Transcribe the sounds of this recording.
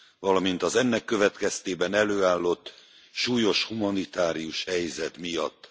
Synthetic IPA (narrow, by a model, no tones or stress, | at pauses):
vɒlɒmint̪ɒzɛnːɛkːø̞vɛt̪kɛst̪eːbɛnɛløːaːlːo̞t̪ː | ʃuːjo̞ʃhumɒnit̪aːɾijuʃhɛjzɛt̪mijɒ̰t̪ː